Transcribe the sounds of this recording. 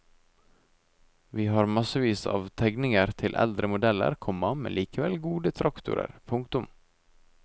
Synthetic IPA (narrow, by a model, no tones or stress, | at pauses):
ʋiːhɑːɾmɑsəʋiːsɑ̰ːʋt̪ʰɛɡnɪŋəɾt̪ʰɪlʔɛ̰ld̪ɾəmʊd̪ɛlə̰ɾkʰɔmɑmḛːlʔiːkəʋɛlɡuːd̪ət̪ʰɾɑkt̪ʊ̰ɾə̰ɾpʰʊŋkt̪ʊm